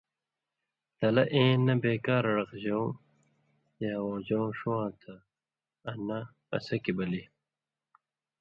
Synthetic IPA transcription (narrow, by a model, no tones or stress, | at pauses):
t̪ɐlɐʔẽːnːɐbeːkaːɾɐɽɐqʑow̃ | jaːwõːd͡ʑowʂuwãːt̪ʰɐː | nɐ | ɐ̰sɐkibɐli